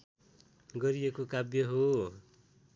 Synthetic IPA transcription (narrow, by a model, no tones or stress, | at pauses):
ɡʌɾijekokabjʌɦo